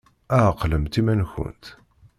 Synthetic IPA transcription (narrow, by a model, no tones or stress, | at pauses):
æqləmt̪imænçʊ̰nt̪